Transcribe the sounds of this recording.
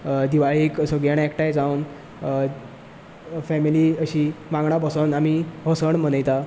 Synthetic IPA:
d̪iʋaɭiːksəɡjaɽekʈajd͡zawn | fɛmiliəɕiːmãŋɡɳabəsənamiɦəsəɳm̤ənəjt̪a

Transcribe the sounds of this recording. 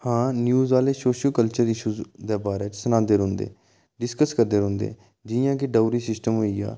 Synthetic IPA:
hãːnjuːzʋaːleːsoːʃəlkəlt͡ʃəɾɪʃuːzd̪eːbaːɾeːt͡ʃsənãːd̪eːɾõːnd̪ḛː | ɖɪskəskəɾd̪eːɾõːnd̪ḛː | d͡ʒɪjãːkɪɖaːɾiːsɪsʈəmɦoːiːa̰ː

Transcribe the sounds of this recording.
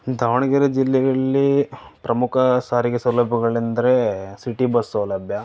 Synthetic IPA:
d̪ʱaːʋɐɳɐɡɐɾɐd͡ʒilːɛjɐɭːipɾɐmukʰɐsaːɾiɡesɐwlɐbʱɐɡɐɭind̪ɐɾesiʈibɐsːɐwlɐbʱjɐ

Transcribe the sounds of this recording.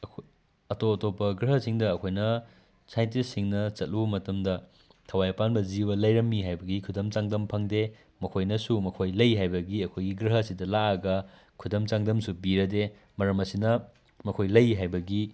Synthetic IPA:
ɐkʰo | ɐtoɐtopːɐɡɾɐɦɐsiŋdɐːkʰojnɐ | sajnt̬isiŋnɐt͡ʃɐt̚lubɐmɐtɐmdɐ | tʰɐwajɐpanbɐzibɐlɐjɾɐmːiɦajbɐɡikʰudɐmt͡ʃaŋdɐmpʰɐŋde | mɐkʰojnɐsumɐkʰojlɐjɦajbɐɡiɐkʰojɡiɡɾɐɦɐsidɐlaɐɡɐ | kʰudɐmt͡ʃaŋdɐmsubiɾɐde | mɐɾɐmɐsinɐ | mɐkʰojlɐjɦajbɐɡi

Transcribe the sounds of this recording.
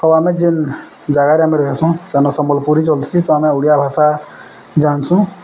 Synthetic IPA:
ɔwaːmẽd͡ʒin | d͡ʒaɡaɾiaːmeɾɔɦesũsɛnɔsəməlpuɾit͡ʃolsit̪ɔamẽuɽijabʱaːsa | d͡ʒaːnsũ

